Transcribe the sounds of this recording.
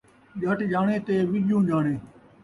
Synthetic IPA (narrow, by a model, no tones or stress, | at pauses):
ʄəʈʄaːɳeːt̪eːʋɪʄjũːd͡ʒaːɳeː